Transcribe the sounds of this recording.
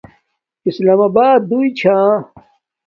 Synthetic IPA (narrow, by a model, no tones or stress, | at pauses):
islaːmabaːd̪ːuit͡ɕʰã